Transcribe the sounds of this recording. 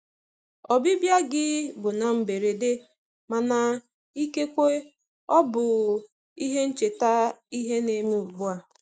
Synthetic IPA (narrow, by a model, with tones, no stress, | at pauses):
ɔ˨bi˦bja˦ɡɪ˦bʊ˨na˨m̩˨be˨ɾe˨de˦ | ma˨na˨ | i˦ke˦kʷe˦ | ɔ˦bʊ˨ | i˦ɦe˦n̩˦t͡ʃe˨ta˦i˦ɦe˦ne˨me˦u˨bʊ˦a˨